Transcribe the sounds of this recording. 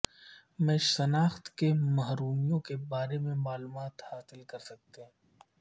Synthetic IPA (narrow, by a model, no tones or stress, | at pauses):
mɛ̃ːʃsɐnaːxt̪kemɐɦɾuːmijõkebaːɾemẽmaːluːmaːt̪haːsɪlkɐɾsɐk̚t̪eɦɛ̃